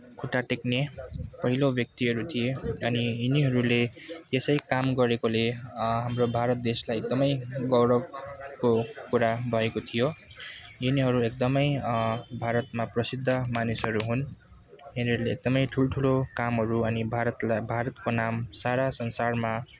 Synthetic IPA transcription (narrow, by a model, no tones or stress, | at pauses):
kʰuʈaʈeknepʌɦilobʱjʌk̚t̪iɦʌɾut̪ʰijeʌniiniɦʌɾulejesʌjkamɡʌɾekoleɦamrobʱaɾʌt̪̚d̪eslajek̚d̪ʌmʌjɡʌwɾʌbkokuɾabʱʌekot̪ʰijo | iniɦʌɾuek̚d̪ʌmʌjbʱaɾʌt̪̚maprʌsid̪ʱːʌmanisɦʌɾuɦun | iniɦʌɾuleːk̚d̪ʌmʌjʈʰulʈʰulokamɦʌɾuʌnibʱaɾʌt̪lbʱaɾʌt̪konamsaɾasʌnsarma